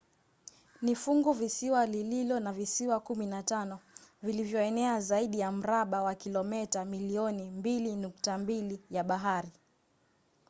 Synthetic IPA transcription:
nifuŋɡuvisiwalililɔnavisiwakuminatanɔvilivjɔɛnɛazaiɗijam̩ɾaɓawakilɔmɛtamiliɔnimbilinuktambilijaɓaɦaɾi

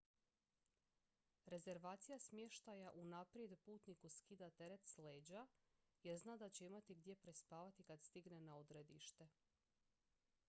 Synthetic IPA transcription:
ɾe̞ze̞ɾʋaːt̪sijasmjeʃt̪ajaʔunapɾije̞d̪puːt̪nikuskid̪at̪e̞ɾe̞t̪sleːd͡ʑa | jeɾznad̪at͡ɕeimat̪iɡd̪je̞pɾespaːʋat̪ikad̪st̪iɡnenaod̪ɾe̞d̪ḭʃt̪e̞

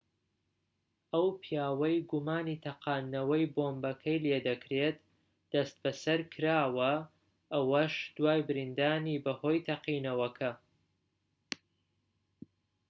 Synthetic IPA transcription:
ɐwpʰijaːwɐjɡumaːnit̪ʰɐqaːnːɐwɐjboːmbɐkʰɐjled̪ɐkʰɾet̪ | d̪̥ɐst̪̚bɐsɐɾkʰɨɾaːwɐ | ʔɐwɐʃd̪̥waːjbɨɾind̪aːnibɐho̞jt̪ʰɐqiːnɐwɐkʰɐ

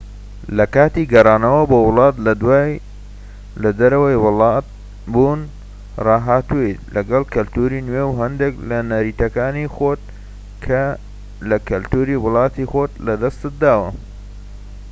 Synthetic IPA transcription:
lɐkaːt̪iɡɐrˤɑːnɐwɐbowʊlɑːt̪lɐd̪waː | lɐd̪ɐɾɐwɐjwlɑt̪̚ | buːn | rɑːɦaːt̪uet̪lɐɡɐlkɐlt̪uːɾinwewɦɐnd̪eklɐnɐɾiːt̪ɐkaːnixot̪̚ | kʰɐ | lɐkɐlt̪uːɾiwʊlɑːt̪ixot̪lɐd̪ɐst̪ɨt̪̚d̪aːwɐ

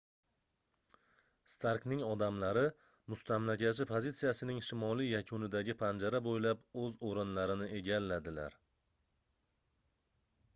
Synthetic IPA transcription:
st̪ʰaɾknɪŋɒd̪amlaɾɪ | mʊst̪ʰamlakʲʰaʃ̬ɪpʰozit̪sijasɪnɪŋʃɪmɒlijakʰʊnɪd̪aɡʲɪpʰand͡ʒaɾabojlapɵzoɾɪnlaɾɪnɪʔe̞ɡʲalːad̪ɪla̰ɾ

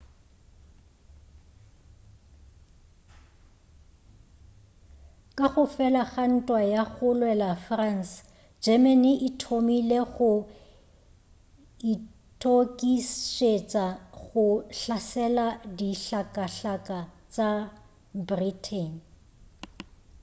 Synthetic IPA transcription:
kʼaχʊfɛlaɣan̩tʼwajaɣʊlwɛlafrans | d͡ʒɛmɛnɪʔɪtʰomileɣʊ | i | tʼʰokʼiʃet͡sʼaɣʊɬasɛladiɬakʼaɬakʼat͡sʼa | britʰɛn

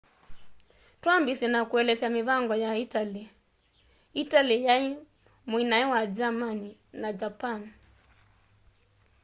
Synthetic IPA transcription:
twambisɛnakuɛlɛsamiβaŋɡɔjaitali | italijai | mwinaɛwad͡ʒamaninad͡ʒapan

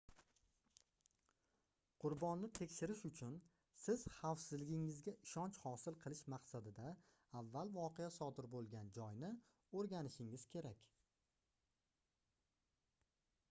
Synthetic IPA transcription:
qʰʊɾbɒnːɪt̪ʰe̞kʲʃɪɾɪʃʊt͡ʃʰʊn | sɪz̥χawsɪzlɪɡʲɪŋɪzɡʲaʔɪʃɒnt͡ʃhɒsɪlˠqʰɨlˠɪʃmaqsad̪ɪd̪aː | vːalˠvɒqʰeasɒd̪ɪɾbolˠɡʲand͡ʒɒjnɪ | oɾɡʲanɪʃɪŋɪz̥kʲʰe̞ɾakʲ

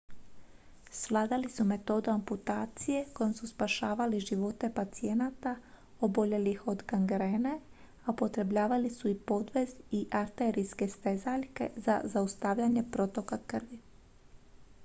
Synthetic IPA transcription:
sʋlˠaːd̪alisume̞t̪o̞d̪uamput̪aːt̪sije̞ko̞jomsuspaʃaːʋaliʒiʋo̞t̪e̞pat̪sie̞nat̪a | obo̞ʎe̞lixo̞d̪kaŋɡɾe̞ːne | aupo̞t̪ɾe̞bʎaːʋalisuipo̞d̪ʋe̞ziʔaɾt̪eɾiske̞st̪ezaʎke̞̰za̰zaust̪aːʋʎaɲe̞pɾo̞t̪o̞kakrʋi

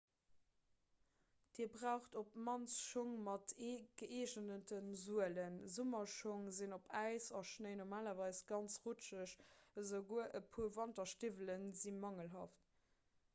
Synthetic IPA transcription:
d̥iːɐbʁaʊχtopmɑnsʃoŋmɑtʰeːɡ̥əʔeːʒənətənzuələnzumɐʃoŋzinopʰæɪsɑʃnəɪnomaːlɐvɑɪsɡ̥ɑnt͡sʁut͡ʃəʃəzəʊɡuəʔəpʰuːvɑntɐʃtivələnzinmɑŋəlɦɑ̰ːft

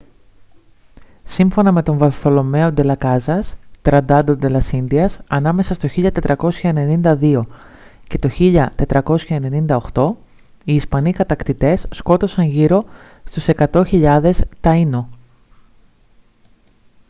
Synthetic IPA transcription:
siɱfo̞nɐme̞t̪o̞ɱvɐθo̞lo̞me̞o̞d̪e̞lɐkɐzɐst̪ɾɐd̪ɐd̪od̪e̞lɐsinðiɐsɐnɐme̞sɐst̪o̞çiʎɐt̪e̞t̪ɾɐko̞sçɐene̞nind̪ɐðio̞ | ce̞t̪o̞çiʎɐt̪e̞t̪ɾɐko̞sçɐene̞nind̪ɐo̞xt̪o̞ | iːspɐnikɐt̪ɐkt̪it̪e̞sːko̞t̪o̞sɐɲʝiɾo̞ | st̪use̞kɐt̪o̞çiʎɐðe̞st̪ɐino̞

